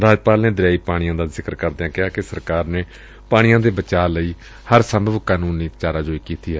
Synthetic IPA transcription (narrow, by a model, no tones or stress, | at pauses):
ɾaːd͡ʒpaːlneːd̪ɾaːiːpaːɽ̃ɪjãːd̪aːzɪkəɾkəɾd̪eãːkɪaːkɪsəɾkaːɾneː | paːɽ̃ijãːd̪eːbət͡ʃaːləiː | həɾsəmbəʋkaːnuːniːt̪t͡ʃaːɾaːd͡ʒoːiːkiːt̪iːɦɛː